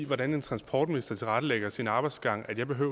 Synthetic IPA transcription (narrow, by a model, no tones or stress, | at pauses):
ʋɒɾæne̝nt͡sʰʁɑ̈nspʰɒ̰ːd̥minisd̥ɐt͡sʰe̝lʁɑ̈ɾ̥əleɡ̥ɐsinɑ̈ːb̥ɑ̈ɪd̥sɡ̥ɑ̈ŋ̰æd̥jɑ̈ɪb̥e̝ɦøʊ̰